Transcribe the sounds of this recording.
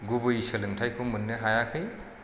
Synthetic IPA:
ɡubɯjisɐlɯŋtʰajkʰomɯnːɯɦajakʰɯj

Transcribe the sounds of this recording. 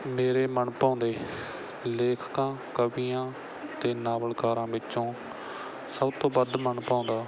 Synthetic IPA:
meːɾeːməɳpãːnd̪eː | leːkʰkãːkəbiːãː | t̪eːnaːbəlkaːɾãːbɪt͡ʃːʃõː | səbt̪õːbəd̪mənpãːnd̪aː

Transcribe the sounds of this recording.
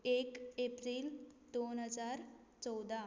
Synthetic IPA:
ekepɾiːld̪onɦəd͡zaːɾt͡sɔd̪a

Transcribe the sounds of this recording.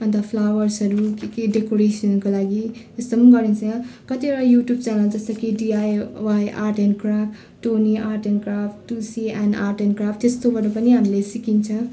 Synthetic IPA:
ʌnt̪ʌpʰlawʌrsʌɾukekeɖekoɾesʌnkolaɡi | est̪ʌmɡʌɾint͡sʰʌ̃kʌt̪iʌɾʌjuʈjubt͡salald͡zʌst̪ʌkiɖiajwajʔa̰rʈenkrapʰ | ʈoniʔaɾʈenkrapʰʈusianarʈenkrapʰt̪est̪obaɾopʌniɦamilesikint͡sʰʌ̃

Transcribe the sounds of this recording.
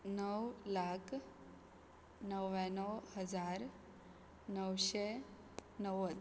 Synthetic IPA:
nəwlakʰ | nəʋanəwhəd͡zaɾ | nəwɕe | nəʋəd̪

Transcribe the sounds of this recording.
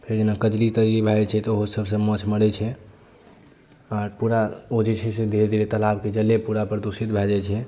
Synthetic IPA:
pʰeɾd͡ʒenakəd͡ʒlit̪əd͡ʒlibʱɛt͡ʃʰɛt̪oɦosəbʱsə̃mət͡ʃʰməɽɛt͡ʃʰɛ | aɾpuɾaod͡ʒet͡ʃʰɛsed̪ʱeɾd̪iɾet̪əlabked͡ʒəlːepuɾapɾəd̪usit̪bʱɛd͡ʒat͡ʃʰɛ

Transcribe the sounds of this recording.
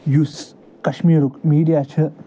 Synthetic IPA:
jus | kɐʃmiːɾukmiːɽijat͡ʃʰɐ

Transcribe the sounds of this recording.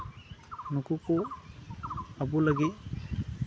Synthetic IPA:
nukuku | abulaɡi

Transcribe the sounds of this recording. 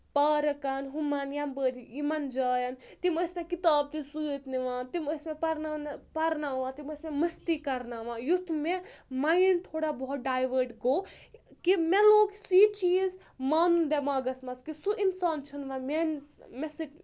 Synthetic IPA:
pɐːɾɐkɐnɦumɐnjambəɾijimɐnd͡ʒaːjɐnt̪iməsmẽkit̪aːb̚t̪isuːt̪niʋãːt̪iməsmepɐɾnanpɐɾnaːʋãːt̪iməsmemɐst̪ikɐɾnaʋãːjut̪ʰmẽmaint̪ʰoːɽabɔut̪̚ɖaːjʋəɾʈɡoːkimɛloːɡsit͡ʃiːz | maːnund̪ɛmaːɡɐsmɐskisuʔinsaːnt͡ʃʰɐnʋãːmenmɛsi

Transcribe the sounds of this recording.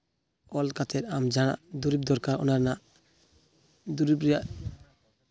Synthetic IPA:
ɔlkat̪ɛɾamd͡ʒaña̰ʔd̪uɾib̚d̪ɔɾkaɾɔ̰naɾnaʔ | d̪uɾibɾijaʔ

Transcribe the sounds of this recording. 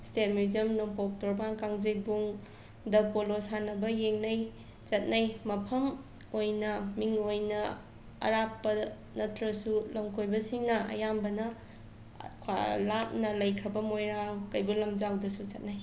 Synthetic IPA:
stet̚muzɐmnompok̚toɾbaŋkaŋzik̚buŋ | dɐpolosanɐbɐjeŋnaj | t͡ʃɐt̚najmɐpʰɐm | ojnɐmiŋojnɐ | ɐ̰ɾapːɐ | nɐtʰɾɐsulɐmkʰojbɐsiŋnɐɐ̰jambɐnɐ | kʰa̰lap̚nɐlɐjkʰɾɐbɐmojɾaŋkɐjbulɐmd͡ʒawdɐsut͡ʃɐt̚naj

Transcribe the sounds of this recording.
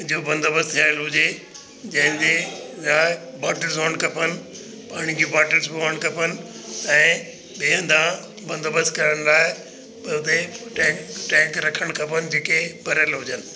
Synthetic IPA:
d͡ʑoːbɐ̃nd̪əbəst̪ʰijaːɪlɦʊd͡ʑe | d͡ʑɐ̃ɦɪ̃nd̪ejabaːʈəlzoːɳɖkɐpənɪ̆ | paːɽ̃ikibaːʈəlzbaːɳkɐpʰənɪ̆ | ɛ̃ː | ɓeːɦə̃nd̪ã | bɐ̃nd̪əbəskɐɾəɽ̃laːɦe | pɐʊt̪eʈɛ̃ʈɛ̃ːkɾɐkʰəɽ̃kɐpʰənɪd͡ʑeːkebʱɐɾəlɦʊd͡ʑənɪ̆

